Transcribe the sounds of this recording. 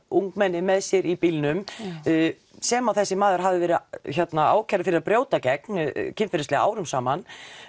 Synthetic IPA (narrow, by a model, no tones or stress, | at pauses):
uŋkmɛnːɪmɛðsjɛɾipilnʏm | sɛːmawθɛsːɪmaːðʏɾ̥ɦavðɪvɛːɾɪçɛt̪naa̰ːwcʰɛɾafɪɾɪɾapɾjoːwt̪acɛk̚ncʰɪnfɪɾɪstlɛɣaa̰ːwɾʏmsaːman